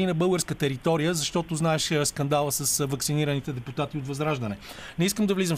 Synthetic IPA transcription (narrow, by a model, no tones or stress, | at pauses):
inɐbɤlˠɡəɾskət̪ɛɾit̪ɔɾijəzɐʃt̪ɔt̪oznaɛʃskɐnd̪alˠəsɐsvɐksiniɾənit̪ɛd̪ɛput̪at̪iot̪vɐzɾaʒd̪ənɛnɛiskəmd̪ɐvlizəm